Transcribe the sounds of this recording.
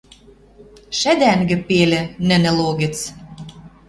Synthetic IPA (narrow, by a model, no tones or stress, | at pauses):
ʃæd̪æŋɡɘ̆pelʲɘ̆nɘ̆nɘ̆loɣɘ̆t͡s